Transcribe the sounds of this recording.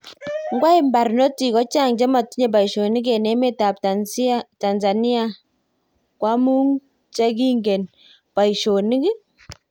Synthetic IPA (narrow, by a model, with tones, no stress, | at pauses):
ŋɡwa˦i˦mba˨ɾnɔ˦ti˨kɔ˦t͡ʃa˦ŋt͡ʃɛ˦ma˨ti˦ɲɛ˨b̬a˨i˨ʃo˨ni˦k̬ɛ˨nɛ˦mɛ˦ta˨ptata˨nza˨ni˦a˨ | kwa˦mu˦ŋ | t͡ʃa˦ki˦ŋɡɛ˨n | pa˨i˨ʃo˨ni˦ɡɪ˦